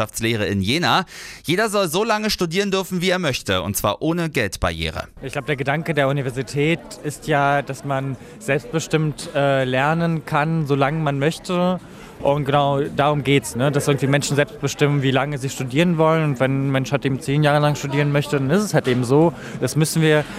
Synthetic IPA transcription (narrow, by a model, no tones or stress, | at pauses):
aft͡sleːʁ̞əɪnjeːnaːjeːdɐzɔlzoːlaŋəʃtudiːʁəndʏɐfn̩viːeːɐmœçtəʊ̰ntt͡sv̥aːɐʔoːnəɡɛltb̥a̰ɐjḛːʁ̞ə̰ | ɪçklaʊbədeːɐɡədaŋkədeːɐunivɛɐzitʰɛːtɪstjaːd̥asman | z̥ɛlpst̚b̥əʃtɪmtʔɛːlɛɐnənkʰanzoːlaŋəmanmœçtə | ʔʊntɡ̥ənaʊd̥aːʁ̞ʊmɡeːtsnədasʔɪɐɡŋ̩tv̥imɛnʃn̩zɛlpst̚b̥əʃtɪmənviːlaŋəziːʃtudiːʁənvɔlənʊntv̥ɛnmɛnʃhaltʔeːbm̩t͡seːnjaːʁəlaŋʃtudiːʁənmœçtədanɪstɛshaltʔeːbm̩zoː | d̥asmʏsn̩viːɐ